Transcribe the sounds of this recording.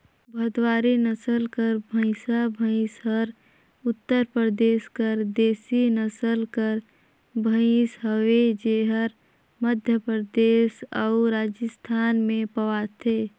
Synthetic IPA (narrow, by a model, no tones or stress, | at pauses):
bʱəd̪waːɾinəsəlkəɾbʱə̃ɪsabʱə̃ɪsɦəɾ | ʊt̪ːəɾpɾəd̪eːskəɾd̪eːsinəsəlkəɾ | bʱə̃ɪsɦəwed͡ʒeɦəɾ | məd̪ʱjəpɾəd̪eːsaʊɾaːd͡ʒəst̪ʰaːnmẽpəwat̪ʰe